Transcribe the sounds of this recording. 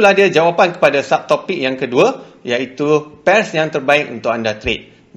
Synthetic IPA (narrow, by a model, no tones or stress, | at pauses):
lahdiəd͡ʒawapankə̥padasap̚t̪opɪk̚jaŋkəduəjait̪upɛrsjaŋt̪ərbaɪk̚unt̪ʊk̚andat̪ɾet̪̚